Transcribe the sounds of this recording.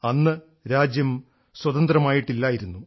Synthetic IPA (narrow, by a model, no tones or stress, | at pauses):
ɐnːɨ | ɾaːd͡ʑjɐm | swɐd̪ɐnd̪rɐmaːjiʈːilːaːjiɾunːu